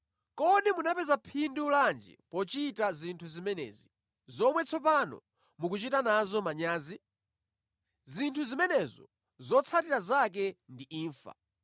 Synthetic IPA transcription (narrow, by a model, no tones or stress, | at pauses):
kɔɗimunapɛzapʰinduuland͡ʒɛ̰pɔt͡ʃitazintʰuzimɛnɛ̰ːzi | zɔmwɛt͡sʰɔp̬anɔ̰ | mukut͡ʃitanazɔmaɲaːzi | zintʰuzimɛnɛzɔ | zɔt͡sʰatiɾazak̬ɛndiiːɱfa̰